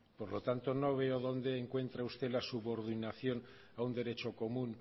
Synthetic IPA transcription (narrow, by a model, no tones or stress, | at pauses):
poɾlot̪ant̪o̞no̞β̞eoðo̞nd̪eːŋkwe̞nt̪ɾaust̪e̞lasuβo̞ɾðinaθjo̞n | aund̪e̞ɾe̞t͡ʃo̞ko̞mũn